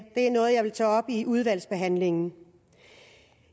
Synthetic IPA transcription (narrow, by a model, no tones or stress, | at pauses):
d̥e̝æɐnɔ̽ːð̞̩ˠjɑ̈ɪʋelt͡sʰɛːɒ̽b̥iʔuð̞ˠʋæl̰sb̥e̝ɦæn̰le̝ŋn̩